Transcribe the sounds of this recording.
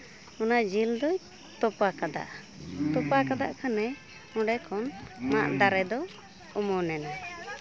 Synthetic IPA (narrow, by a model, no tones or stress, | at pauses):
ɔnaʔd͡ʒild̪ɔj | t̪ɔpakad̪a̰ʔ | t̪ɔpakad̪a̰ʔkʰanɛ | ɔ̃ɖɛkʰɔnmaʔd̪aɾɛd̪ɔ | ɔmɔnɛna